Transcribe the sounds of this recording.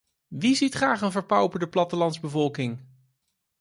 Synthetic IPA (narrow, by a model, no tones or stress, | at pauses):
ʋizitχraːχənvəɹpɑwpəɹdəplɑtəlɑntzbəvɔlˠkɪŋ